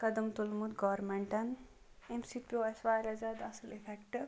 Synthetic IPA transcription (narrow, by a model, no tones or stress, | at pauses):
kɐd̪ɐmt̪ulmut̪ɡɔʋɾmeɳʈɐn | emsipʲoesʋaːjɾɐzad̪ɐsəlefʰekʈ